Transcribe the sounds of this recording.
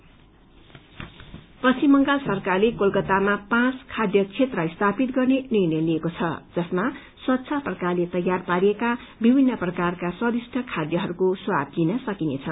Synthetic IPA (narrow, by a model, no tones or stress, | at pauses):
pʌst͡simːʌŋɡalsʌrkarlekolkʌt̪amapãt͡skʰad̪jʌt͡sʰet̪rʌist̪ʰapit̪̚ɡʌrnenirnʌjliekot͡sʰʌd͡zʌsma | swʌt̪ːsʰʌprʌkarlet̪ʌjarpaɾieka | bibʱinːʌprʌkarkaswʌd̪isʈʰʌkʰad̪jʌɦʌɾukoswab̚linʌsʌkinḛt͡sʰʌ